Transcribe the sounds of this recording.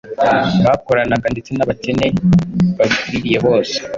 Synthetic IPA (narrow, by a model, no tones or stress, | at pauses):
βako̞ɾanaɡandet͡se̞naβace̞ne̞βaβikuɾiɾije̞βo̞ːse̥